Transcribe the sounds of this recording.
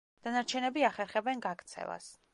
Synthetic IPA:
d̪̥anaɾt͡ʃʰɛnɛbiaχɛɾχɛbɛnɡakt̪sʰɛ̰va̰s

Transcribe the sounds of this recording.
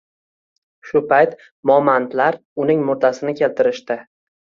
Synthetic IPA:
ʃʊpʰajt̪ | mɒmant̪laɾ | ʊnɪŋmʊɾd̪asɪnɪkʲʰe̞lt̪ʰɪɾɪʃt̪ɪ

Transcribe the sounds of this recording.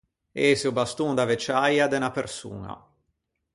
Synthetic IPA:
esobast̪uŋd̪avet͡ʃajad̪enapersṵːna̰

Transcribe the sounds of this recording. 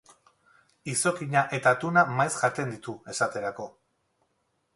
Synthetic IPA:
iso̞kiɲaʔe̞t̪at̪unamajsʝat̪e̞nd̪it̪ue̞sat̪e̞ɾako̞

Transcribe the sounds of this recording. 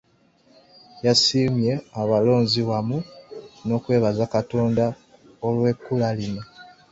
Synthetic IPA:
jasiːmje̞aβalo̞ːnziwamuno̞kwe̞ːβazakato̞ːnda | olwe̞kːulaline

